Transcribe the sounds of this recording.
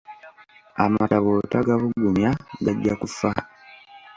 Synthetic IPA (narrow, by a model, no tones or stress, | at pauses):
a̰mataβotaɡaβuɡumjaɡaɟːakufa